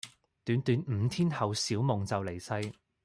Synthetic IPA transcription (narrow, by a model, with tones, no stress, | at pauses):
t̪yː˨˥nt̪yː˨˥nm̩ː˨˧t̪ʰiː˥nhɐ˨wsiː˨˥wmʊ˨ŋt͡sɐ˨wle˨˩jsɐ˧j